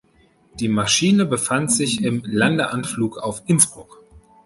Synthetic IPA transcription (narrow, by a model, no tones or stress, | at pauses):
d̥iːmaʃiːnəbəfantz̥ɪçɪmlandəʔanfluːkaʊfʔɪnsb̥ʁʊk